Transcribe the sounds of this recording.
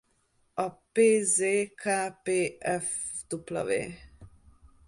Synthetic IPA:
ɒpeːzeːkʰaːpeːʔɛfd̪̥uplɒ̰vḛː

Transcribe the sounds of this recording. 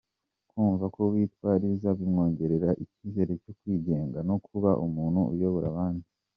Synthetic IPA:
kuːɱvakoβwiːtwaːɾizaβimŋo̞ːɲɟe̞ɾe̞ɾaʔiciːze̞ɾe̞cokwiːɟe̞ːŋɡano̞kʰuβaʔumuːn̤̥huṵjo̞βoɾaβaːndi

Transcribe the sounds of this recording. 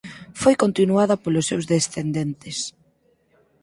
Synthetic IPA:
fojkont̪inuaðɐpolʊsːewzðesθend̪ent̪ɪs

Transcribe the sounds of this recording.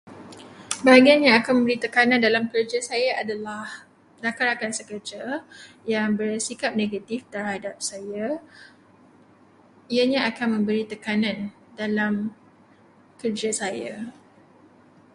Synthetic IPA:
baɦaɡianɲaakanmə̃mbəɾit̪əkanãndalamkərd͡ʒasajaʔadalah | dakaɾakansəkərd͡ʒa | jaŋbərsikap̚neɡat̪ift̪ərhadap̚saja | iaɲaakanmə̃mbəɾit̪əkanãn | dalam | kərd͡ʒasaja

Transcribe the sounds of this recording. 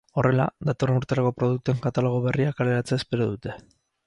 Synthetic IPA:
o̞rʔe̞la̰ðat̪o̞renuɾt̪e̞ɾako̞pɾo̞ðuk̚t̪ue̞ŋkat̪alo̞ɣ̞o̞βe̞riakale̞ɾat͡seaespe̞ɾoðut̪e̞

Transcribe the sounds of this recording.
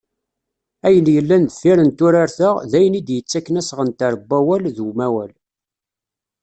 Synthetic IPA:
æjənjəlːænd̪əfiɾənt̪ʊɾaɾθəʁðæjənid̪jət͡sːækːənæsʁənt̪æɾbːæwælðuwmæwæl

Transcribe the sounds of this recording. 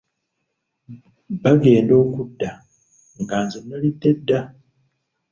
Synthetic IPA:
baɡe̞ːndo̞ːkudːa | ŋɡaːnzonːalidːe̞dːa

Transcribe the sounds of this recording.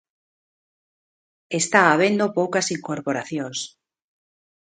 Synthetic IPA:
est̪aːβ̞end̪opowkasiŋkoɾpoɾaθjõŋs

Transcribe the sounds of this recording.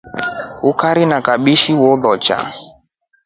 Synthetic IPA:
ʊkaɾɪnakaɓiʃiwɔdɔt͡ʃa̰

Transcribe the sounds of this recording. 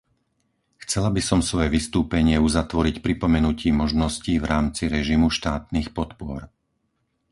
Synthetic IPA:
xt͡sɛlabisɔmsʋɔjɛʋist̪uːpɛɲɪɛuzat̪ʋɔɾicpɾipɔmɛnuciːmɔʒnɔsciːvɾaːmt͡siɾɛʒimuʃt̪aːt̪niːxpɔt̪pʊɔɾ

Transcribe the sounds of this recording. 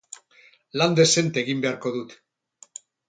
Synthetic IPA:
land̪e̞se̞nt̪eɣimbe̞aɾko̞ðut̪

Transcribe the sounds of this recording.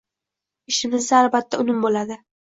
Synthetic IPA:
ɪʃɪmɪzd̪aːlˠbat̪ʰːaʊnɪmbolad̪ɪ

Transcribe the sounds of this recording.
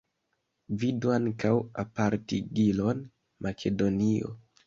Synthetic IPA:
viduaŋkawapaɾtiɡilo̞n | makʰe̞do̞nio̰

